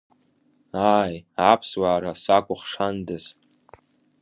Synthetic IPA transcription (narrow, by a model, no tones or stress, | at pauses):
ajapʰswaːɾasakʷʼʊχʂandɨz